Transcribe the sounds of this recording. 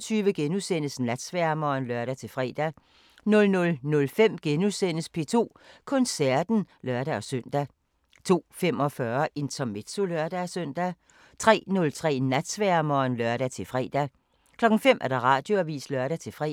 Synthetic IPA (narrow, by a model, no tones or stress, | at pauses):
t͡sʰyːʋəɡ̥enusen̰əsnæd̥sʋæɐmɒːnlɶɐ̰ɾ̥æt͡sʰe̝lfʁɛ̰ːd̥æ | nɔ̽lnɔ̽lnɔ̽lfem̰ɡ̥enusen̰əspʰe̝t͡sʰo̝̰ːkʰɔ̽nsæɐd̥n̩ | lɶɐɾ̥æɒ̽sœn̰d̥æ | t͡sʰo̝̰ːfem̰ɒ̽fɶɐʔe̝nt͡sʰɒme̝d̥so̝lɶɐd̥æsøn̰d̥æ | t͡sʰʁɛ̰ːnɔ̽lt͡sʰʁɛ̰ːnæd̥sʋæɐmɒːnlœɐɾ̥æt͡sʰe̝lfʁɛ̰ːd̥æ | kʰlɒ̽ɡ̥ŋ̩fem̰ʔæɐɾ̥ɑ̈ʁɑ̰̈ːd̥jo̝æʋḭːslœɐɾ̥æt͡sʰe̝fʁɛ̰